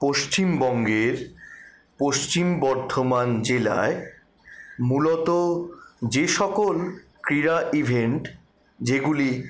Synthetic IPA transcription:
poʃt͡ɕimbɔŋɡeɾ | poʃt͡ɕimbɔɾd̪ʱomand͡ʑela̰e | mulot̪od͡ʑeʃɔkolkɾiɾaʔibʱeɳʈ | d͡ʑeɡuli

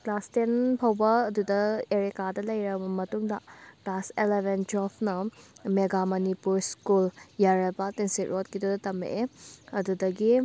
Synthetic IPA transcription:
klastenpʰɐwbɐːdudɐeɾikadɐlɐjɾɐbɐmɐtuŋdɐʈaselebʱend͡ʒopʰnɐmeɡamɐnipuɾskuljaɾebɐtensitɾʔot̚kidudɐtɐmḛɐdudɐɡi

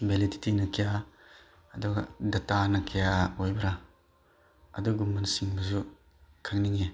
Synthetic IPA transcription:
beliditinɐkʰija | ɐduɡadɐtanɐkʰijaojbɐɾa | ɐ̰duɡumɐnsiŋbɐzu | kʰak̚niŋe

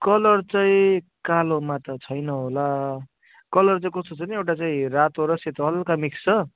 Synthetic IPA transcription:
kʌlʌrt͡saĩkalomat̪ʌt͡sʰʌjnʌɦola | kʌlʌrt͡saĩkʌst̪ot͡sʰʌniewʈat͡saĩrat̪oɾʌset̪ɦʌlkamikst͡sʰʌ

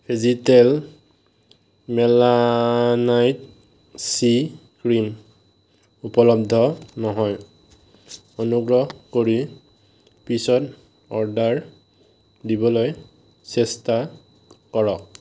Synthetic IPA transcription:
pʰizitɛl | mɛlanajt | sikɹim | upɔlɔb̚d̪ʱɔnɔɦɔj | onuɡɹɔɦkoɹi | pisɔt | ɔɹdaɹ | dibɔloj | sɛsta | kɔɹɔk̚

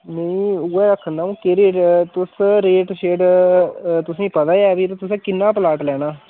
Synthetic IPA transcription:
nẽĩːuɛːɾəkʰːənd̪aːũːkeɾeːʈt̪ʊsɾeːʈʃeːɖ | t̪ʊsẽːpət̪aːjɛːbiːt̪ot̪ʊsẽːkɪnːãːpəlaːʈlɛːñaː

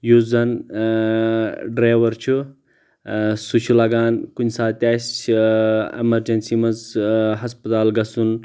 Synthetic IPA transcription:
juzɐn | ɖɾaːjʋɐɾt͡ʃʰu | sut͡ʃʰulɐɡaːnkunʲsaːt̪ʲaːs | ḛmɐɾd͡ʒɐnsimɐzɦɐspɐt̪aːlɡɐsun

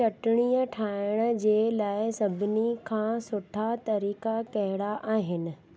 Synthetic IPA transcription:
ɐʈɪɽ̃iːəʈʰaːɪɽ̃ə̆d͡ʑeːlaːɪsɐbʱɪnikʰãːsʊʈʰat̪ɐɾiːkakɐɦɪɽaʔaːɦɪnɪ̆

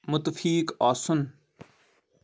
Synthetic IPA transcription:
mʊt̪fiːkɔːsʊn

